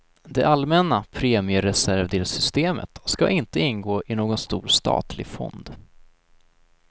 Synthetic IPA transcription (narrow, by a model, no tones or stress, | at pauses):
d̪ɛʔalmɛnapʰɾeːmɪəɾɛsæɾvd̪eːlsʏst̪eːmə̰t̪skaʔɪnt̪əɪnɡoːʔɪnoːɡɔnst̪ṵːɾst̪ɑ̰ːt̪ʰlɪ̰ɡfɔ̰nd̪